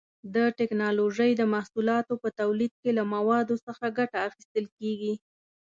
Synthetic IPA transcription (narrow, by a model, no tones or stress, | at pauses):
d̪əʈɪknɑloʒəjd̪əmahsulɑt̪opət̪awlid̪̚kelamawɑd̪osəxaɡaʈaːxist̪əlkeɡi